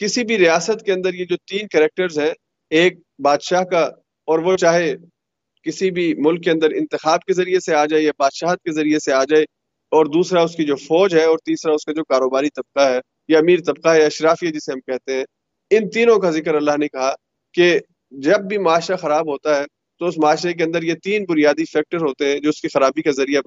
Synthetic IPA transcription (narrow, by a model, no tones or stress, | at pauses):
kɪsibʱiɾijaːsət̪keɐ̃nd̪əɾjed͡ʒoːt̪iːnkɛɾɛk̚ʈəɾzɦɛ̃ | eːk̚baːd̪ʃaːɦka | ɔːɾʋot͡ʃaːɦe | kɪsibʱimʊlkːeɐ̃nd̪əɾɪ̰̃nt̪ɪxaːb̚kezɐɾieseaːd͡ʒaːejabaːd̪̥ʃaːɦt̪̚kezɐɾijeseaːd͡ʒaːe | ɔːɾd̪uːsɾaʊskid͡ʒoːfɔːd͡ʒɦɛɔːɾt̪iːsɾaʊskad͡ʒoːkaːɾoːbaːnit̪ɐb̚qaɦɛː | jaɐmiːɾt̪ɐb̚qaɦɛjaɐʃɾaːfiad͡ʒɪseɦɐmkɛɦt̪eɦɛ̃ː | ɪnt̪iːnõkazɪkəɾɐlːaɦnekɐɦa | ke | d͡ʒɐb̚ːʱimaːʃɾaxɐɾaːbɦoːt̪aɦɛ | t̪oʊsmʊaːʃɾek̬eɐ̃nd̪əɾjet̪iːnbʊɾijaːd̪ifɛːk̚ʈəɾɦoːt̪eɦɛ̃d͡ʒoːʊskixɐɾaːbikazɐɾija